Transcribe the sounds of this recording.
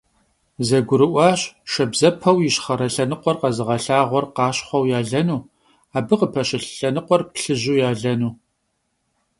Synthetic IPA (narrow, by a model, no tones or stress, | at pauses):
zɐɡʷʊɾɨʔʷɑːɕʃɐbzɐpʰɐwjɪɕχɐɾɐɬɐnɨqʷɔrqɐzɨʁɐɬaːʁʷɔrqɑːɕχʷɐwjaːɮɐnuː | aːbɨqəpʰɐɕɪɬɬɐnɨqʷɔrpɬɨʑuːjaːɮɐnuː